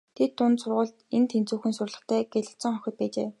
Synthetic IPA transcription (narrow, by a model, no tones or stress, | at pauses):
t̪ʰet̪ːʊnt̪sʊrʁʊːɮt̪ent̪ʰent͡suːxɘ̆nsʊrɮə̆χt̪ʰæːɡeɮɘ̆ɬt͡sə̆ŋχœxʲɪ̆t̪̚pæːt͡ɕḛː